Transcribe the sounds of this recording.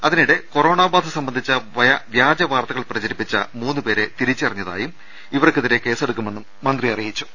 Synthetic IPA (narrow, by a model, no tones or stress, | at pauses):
ɐðiniɽeko̞ro̞ːɳaːbaːd̪ɨsɐmbɐnd̪ʱit͡ɕːɐʋɐjɐʋjaːd͡ʑɐʋaːrt̪ɐɣɐɭprɐt͡ɕɐɾipːit͡ɕːɐ̰muːnːɨpe̞ːɾe̞t̪iɾit͡ɕːiɐrɐɲːɐða̰ːjum | iʋɐrkɨðiɾeke̞ːse̞ɽukːume̞nːumːɐnd̪rijɐrijit͡ɕːu̥